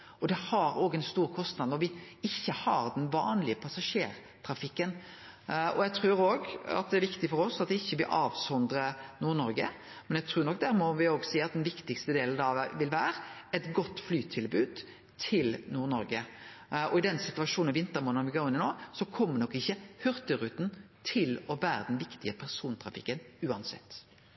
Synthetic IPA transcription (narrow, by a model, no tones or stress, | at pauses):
ɔd̪ɛhɑɾoːɡɛnst̪uːɾkʰɔst̪nɑd̪nɔɾʋɪɪçːəhɑɾd̪ɛnʋɑ̰ːnlɪəpʰɑsɑʂeːɾ | t̪ʰɾɑfɪkːən | ʔɔ̰jæt̪ʰɾʉːɾoːɡɑ̰t̪̚d̪ɛæɾʋɪkt̪ɪfɔɾɔsɑt̪̚d̪ɪçːəʋɪʔɑːʋsɔnd̪ɾənuːɾnɔɾɡə̰ | mɛnjæɡt̪ʰɾʉːɾnɔk̚ːd̪æɾmɔʋɪoːɡsiːɑt̪̚d̪ɛnʋɪkt̪ɪkst̪əd̪eːln̩ɑʋʋɪlʋæːɾɛt̪ɡɔt̪ːflyːt̪ʰɪlbʉːd̪ | t̪ʰɪlnuːɾnɔɾɡə | ɔɪd̪ɛnsɪt̪ʉɑʂuːnʋɪnt̪əɾmoːnəʋɪɡoːɾɪnːɪnoːsɔkʰɔmːənɔkːɪçːəhœʁt̪əɾʉːt̪n̩ | t̪ʰɪlɔʋæːɾəd̪ɛnʋɪkt̪ɪəpʰæʁsuːnt̪ʰɾɑfɪ̰kːənʉːɑnsɛ̰t̪ː